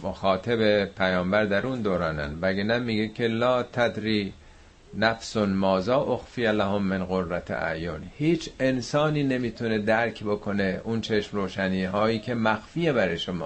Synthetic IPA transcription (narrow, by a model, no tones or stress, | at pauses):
moxɒːt̪ʰebepʰæjɒːmbæɾd̪æɾund̪oːɾɒːnæ̰nvæɡenæmːiːɡekʰelɒːt̪ʰæd̪ɾiː | næfsonmɒːzɒːʔoxfijælæhomːenɣoɾːæt̪ʰæ̰joːnhiːt͡ʃʰe̞nsɒːniːne̞miːt̪ʰune̞d̪æɾkʰbokʰo̞ne̞ʔunt͡ʃʰe̞ʃmroːʃæniːɦɒːiːcʲʰe̞mæxfijebæɾejʃomɒ̰ː